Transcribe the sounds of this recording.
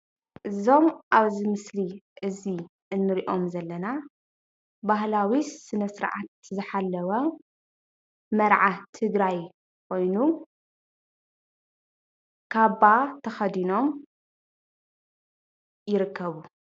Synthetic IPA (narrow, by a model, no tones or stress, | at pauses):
ʔɨzo̞mʔaβzimɨsliʔɨzi | ʔɨnːɨɾiʔo̞mzɐlːɐna | baɦlawisɨnɐsɨɾʕat̪̚zɨħalːɐwɐ | mɐɾʕat̪ʰɨɡɾaj | kʰo̞jnu | kʰaβat̪ʰɐxɐd̪ino̞m | jɪɾɨkːɐβu